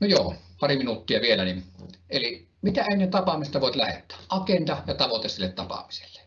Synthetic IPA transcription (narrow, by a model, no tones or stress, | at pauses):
nojoːpɑriminut̪ːiɑʋielænineli | mit̪æeˑnˑet̪ɑpɑmisest̪ɑʋoˑet̪læhḛt̪ːˑæ̥ːʔɑkent̪ɑjɑt̪ɑʋot̪esilːet̪tɑpɑ̰mise̥lːe̥